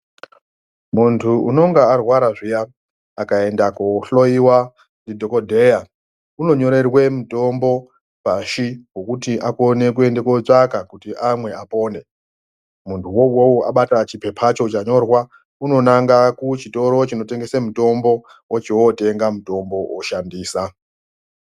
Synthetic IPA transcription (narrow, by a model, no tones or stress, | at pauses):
muntʰuʔṵno̞ŋɡaarwaɾaʐija | akae̞ndakoɬo̞iwa | ndidʱo̞kodʱe̞ja | uno̞ɲo̞ɾe̞rwe̞muto̞mbo̞ | paʃiɡokutiʔakone̞k̬we̞ndekot͡ʂakakutiʔamwe̞ʔapo̞ːne̞ | muntʰuwo̞wowoa̰ɓatat͡ʃipʰe̞pʰat͡ʃo̞t͡ʃaɲo̞rwa | uno̞naŋɡakut͡ʃito̞ɾo̞t͡ʃino̞te̞ŋɡe̞semuto̞mbo̞ | wʔot͡ʃiwote̞ŋɡamuto̞mbo̞woʃandiːsa